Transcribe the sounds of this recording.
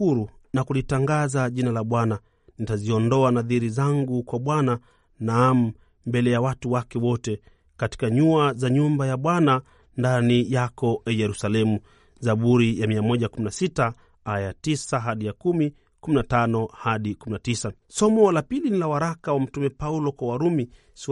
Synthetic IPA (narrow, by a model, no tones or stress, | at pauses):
uɾunakulitaŋɡazaʄinalaɓwana | nitaziɔndɔanaðiɾizaŋɡukwaɓwana | naːm̩ | mbɛlɛjawatuwakɛwɔtɛ | kati̥kaɲuazaɲumbajaɓwana | ndanijakɔʔɛjɛɾusalɛmu | zaɓuɾijamiamɔʄakuminasita | ajatisaɦaɗijakumi | kuminatanɔhaɗikuminatisa | sɔmɔlapilinilawaɾakawam̩tumɛpaulɔkwawaɾumi | s